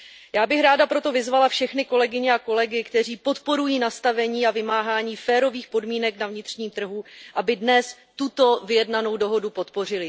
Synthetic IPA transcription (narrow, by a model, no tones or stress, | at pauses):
jaːbɪxɾaːdapɾo̞t̪o̞vɪzvalafʃɛxnɪko̞lɛɡɪɲɛako̞lɛɡɪkt̪ɛr̝iːpo̞t̪po̞ɾujiːnast̪avɛɲiːavɪmaːɦaːɲiːfɛːɾo̞viːxpo̞dmiːnɛknavɲɪt̪r̝̥ɲiːmt̪r̩ɦuʔabɪdnɛs | t̪ut̪o̞vɪjɛdnano̞wdo̞ɦo̞dupo̞t̪po̞r̝ɪlɪ